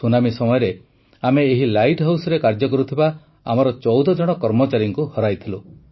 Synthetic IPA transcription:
unamisɔmɔjɔɾe | ameːɦilajʈɦawsɔɾekaɾd͡ʒɔkɔɾut̪ʰiba | a̰mɔɾɔt͡ʃɔwd̪ɔd͡ʒɔɽ̃ɔkɔɾmɔt͡ʃaɾjɔŋkuhɔɾajt̪ʰilu

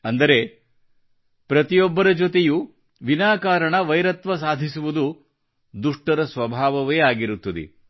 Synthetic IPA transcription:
ɐnd̪ɐɾe̞ | pɾɐt̪ijɔbːɐɾɐd͡ʒot̪eju | ʋinaːkaːɾɐɳɐʋɐjɾɐt̪ʋɐs̬aːd̪ʱisuʋud̪u | d̪uʂʈɐɾɐsʋɐbʱaːʋɐʋeːaːɡiɾut̪ːɐd̪ḛ

